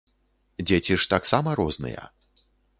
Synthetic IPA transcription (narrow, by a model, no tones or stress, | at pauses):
d͡zʲet͡sʲiʂt̪aksamɐɾɔznɨ̰jɐ̰